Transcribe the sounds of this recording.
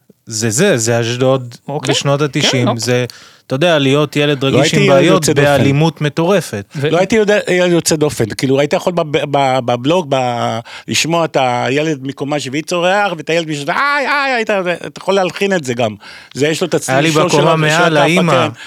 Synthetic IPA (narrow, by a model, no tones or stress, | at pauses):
zezezeaʃdodkeʃnotatiʃimze | t̪ojod̪ealijo̞t̪jele̞d̪ʁaɡloiaiʃiimbaːjott͡seddbealimut̪me̞t̪o̞ʁe̞fet̪̚loajit̪ijodejeledjot͡sed̪o̞fenkiːluait̪ijaχolbabbabablo̞k̚baliʃmo̞at̪ajeled̪̚miko̞maʃivit͡so̞ʁeaχveatajeledmiʃot̪aajajajit̪atajaχolealχine̞tze̞ɡam | zejeʃlot̪at͡sajalibaokomameʃalaiamaen